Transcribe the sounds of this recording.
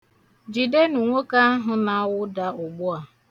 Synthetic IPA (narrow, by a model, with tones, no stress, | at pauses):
d͡ʒi˨de˦nu˨ŋʷo˦ka˦a˦ɦʊ˦na˦wʊ˦da˨ʊ˨ɡ͡bʊ˦a˨